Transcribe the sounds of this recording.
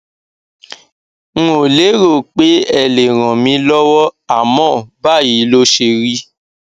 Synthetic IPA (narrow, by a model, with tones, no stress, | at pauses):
ŋ̩̃˦o˨le˨˦ɾo˦˨k͡pe˨˦ɛ˦˨le˨ɾ̃ã˨mĩ˧lɔ˦wɔ˦a˦˨mɔ̃˦˨ba˦˨ji˨˦lo˦ʃe˧ɾi˦